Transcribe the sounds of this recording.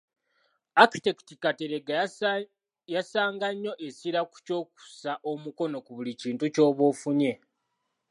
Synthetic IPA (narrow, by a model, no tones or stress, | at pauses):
aki̥tektikate̞ɾeɡ | jasaːŋɡaɲːo̞ʔe̞siɾaku̥co̞ːku̥saʔo̞muko̞no̞kuβuliciːntuco̞ːβo̞ːfuɲe̞